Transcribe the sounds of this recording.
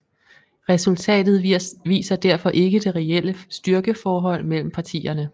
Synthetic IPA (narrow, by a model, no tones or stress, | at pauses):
ʁɛsult͡sʰɛ̰ːd̥ð̞̩ˠʋḭːsɐd̥æɐfɒ̽ʔe̝ɡ̥əd̥e̝ʁɛel̰əsd̥yɶɐɡ̥əfɒːɦɒ̽l̰mel̰m̩pʰɑ̈t͡sʰḭːɐnə